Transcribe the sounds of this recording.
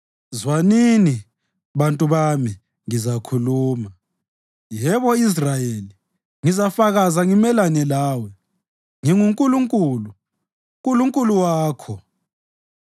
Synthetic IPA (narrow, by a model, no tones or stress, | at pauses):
zwanini | βantʼuβami | ŋizakʰuluːma | jɛβɔis̬rajeli | ŋizafaɣazaŋimɛlanɛlaːwɛ | ŋiŋuŋkʼuluŋkʼulu | kʼuluŋkʼuluwaːkʰɔ